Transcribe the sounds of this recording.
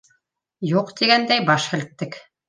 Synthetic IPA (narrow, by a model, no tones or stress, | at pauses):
juqt̪iɡænd̪æjbɑʃhɘ̆lɘ̆t̪̚ːɘk